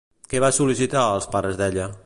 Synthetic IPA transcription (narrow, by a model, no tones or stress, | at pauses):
keβasulisit̪aəlˠspaɾəzðɛʎə